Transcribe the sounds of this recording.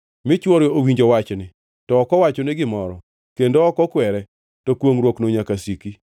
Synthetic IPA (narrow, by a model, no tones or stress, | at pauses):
mɪt͡ʃwɔɾjɔowiɲd͡ʒɔwat͡ʃnɪ | tɔːkɔwat͡ʃɔnɪɡɪmɔɾɔ | kendoːkɔkwɛɾɛ | tɔkwoŋɾwoknoɲakasiki